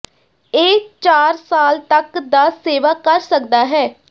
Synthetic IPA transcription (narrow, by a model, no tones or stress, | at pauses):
eːt͡ʃaːɾsaːlt̪əkd̪aːseːʋaːkəɾsək̚d̪aːɦɛː